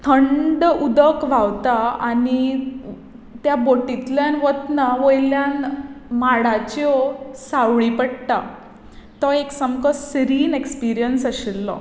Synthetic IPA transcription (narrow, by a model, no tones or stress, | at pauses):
t̪ʰəɳɖud̪əkʋaʋt̪aani | t̪jaboʈit̪ljanʋət̪naʋojljanmaɽat͡ɕjɔsaʋɭipəɽt̪a̰ | t̪ɔeksəmkɔsɾiːnekspiɾijənsəɕelːɔ̰